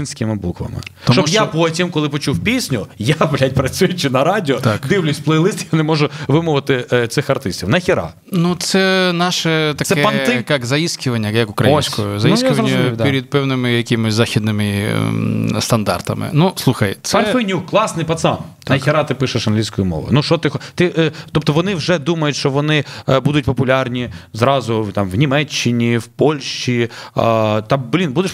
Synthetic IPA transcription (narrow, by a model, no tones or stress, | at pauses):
insʲkɪmɪbukʋɐ̰mɪ̰ɔmt͡ʃɔʃbjaɔpɔtʲimkɔlˠɪpɔt͡ʃuwpʲisʲnʲʊjaplʲat̚ʲpɾɐt͡sʲujʊt͡ʃɪnɐɾɑdʲɪɔt̪akd̪ɪwlʲʊsʲplˠɛjlˠɪst̪ɪjanɛmɔʒʊʋɪmʊʋɪt̪ɪt̪sɪxɐrt̪ɪsʲtʲiwnɐxʲɪɾa̰ | nut̪sɛnɑʃɛt̪ɐk̪ɛɛɐɪkɑkzɐisʲkʲɪʋɐnʲːɐjɐkʊkɾɐjosʲkɔjʊzɐisʲkɪʋɐnːɐd̪iɾʲid̪̚pɛwnɪmɪjɐkʲimɔsʲzaxʲid̪nɪmɪ | st̪ɐnd̪ɑ̰rt̪ɐ̰mɪ̰nuslˠuxɐjt̪sɛfɛnʲukːlˠɑsnɪjpɐt̪sɑmɐjxɪɾɑt̪ɪpɪʃɐʃɐnɦlʲijsʲkɔjʊmɔ̰ʋʊ̰nuʃt͡ʃɔt̪ɪxt̪ɪʔt̪ɔp̚t̪ɔʋɔnɪwʒɛd̪umɐjʊtʲʃt͡ʃɔʋɔnɪbud̪ʊt̚ʲpɔpʊlʲɑrnʲizɾɑzʊt̪ɑmʋnʲimɛt͡ʃːɪnʲiwpɔlʲʃt͡ʃḭ | t̪ɑblʲinbud̪eʃ